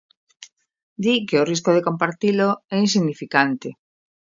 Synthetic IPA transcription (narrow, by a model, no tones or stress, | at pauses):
d̪ikeoris̬koð̞ekompaɾt̪iloɛinsiɣnifikant̪e